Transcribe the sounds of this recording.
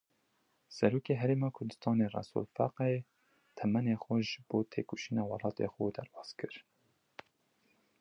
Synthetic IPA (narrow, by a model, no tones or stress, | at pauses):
sɛɾuːkeːɦɛɾeːmɑːkʰʊɾd̪ɨ̥st̪ɑːneːrɑ̰sṵlfæ̰qee | t̪ʰɛmɛneːxɛʒɨboːt̪ʰḛːkuʃiːnɑːwɑlˠɑːt̪ḛːxuːd̪æɾbɑːz̥kɨɾ